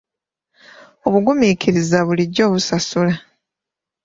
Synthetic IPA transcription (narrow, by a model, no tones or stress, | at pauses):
o̞βuɡumiːkʰiɾizaβuliɟːo̞ːβusasula